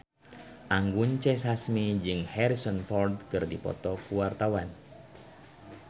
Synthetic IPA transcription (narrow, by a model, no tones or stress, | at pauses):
ʔaŋɡuɲt͡ʃɛs̬asmid͡ʒɨŋhɛɾisɔnfɔrd̪kɨrdipɔ̰t̪ɔkuwart̪awan